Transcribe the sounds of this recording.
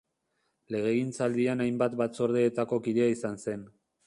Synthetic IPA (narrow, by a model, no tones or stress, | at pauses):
le̞ɣ̞e̞ɣint͡sald̪ianajmbat̪bat͡so̞ɾð̞eːt̪ako̞kiðe̞aisanse̞n